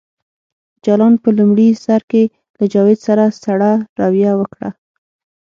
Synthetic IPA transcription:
d͡ʒɑlɑnpəlumɽisaɾke | lad͡ʒɑwed̪saɾasaɽaɾɑwjawəkɽa̰

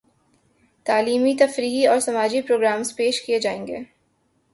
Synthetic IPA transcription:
t̪aːliːmit̪ɐfɾiːɦiɔːɾsɐmaːd͡ʒipɾoːɡɾaːmspeːʃkied͡ʒaːẽːŋɡḛː

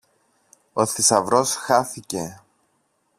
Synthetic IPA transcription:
o̞θisɐvɾo̞sxɐθice̞

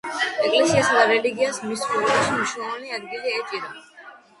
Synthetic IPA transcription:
ɛkʼlɛsiasad̪aɾɛliɡiasmiskulɔbaʃiniʃwlˠɔmaniad̪ɡiliɛt͡ʃʼiɾɔmi

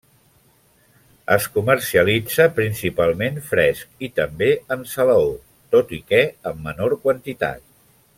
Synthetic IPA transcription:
ə̰skumərsiəlid͡zəpɾinsipalˠmenfɾɛsk̚it̪əmbeənsələo | t̪ot̪ikɛəmːənoɾkwənt̪it̪a̰t̪̚

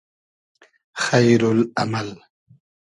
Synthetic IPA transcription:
xajɾʊla̰mal

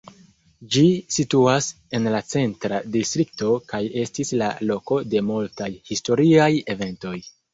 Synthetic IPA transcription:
d͡ʒisituas | e̞nlat͡se̞ntɾadistɾik̚to̞kaje̞stisla̰lo̞ko̞de̞multajhisto̞ɾiaje̞ve̞nto̞j

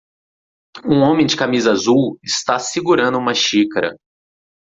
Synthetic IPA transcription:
ũõmẽj̃d͡ʒɪkamizɐazuwɪst̪asiɡuɾɐ̃nd̪ʊũmɐʃikɐɾɐ̰

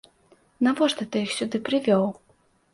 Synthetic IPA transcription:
navɔʂt̪ɛt̪ɨjixsʲud̪ɨpɾɨvʲɔw

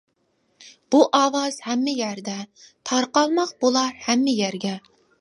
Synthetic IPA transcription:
b̥uʔɑːwɑz̥hɛmːɪjæɾd̪ɛt̪ʰɑɾqɑlˠmɑqb̥ulˠɑɾhɛmːɪjæɾɡʲɛ

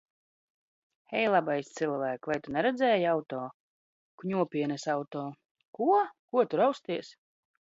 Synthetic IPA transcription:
hɛjlˠabajst̪silˠvæːkvajt̪unɛɾɛd̪zɛːjawt̪ɔː | kuɲʲuɔpʲiɛnɛsawt̪ɔː | kuɔkuɔt̪uɾawst̪iɛs

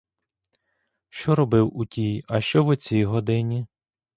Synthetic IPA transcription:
ʃt͡ʃɔɾɔbɪwutʲijɐʃt͡ʃɔʋʊt͡sʲijɦɔd̪ɪnʲi

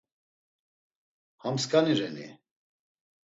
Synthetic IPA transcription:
hamskaniɾɛnḭ

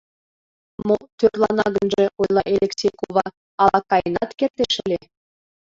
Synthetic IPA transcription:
mot̪ørlˠɑnɑɡɤ̆nʒĕʔujlˠɑʔelʲeksʲejkuvɑ | ɑlˠɑkːɑjnɑt̪kʲert̪ʲeʃɘ̆lʲe

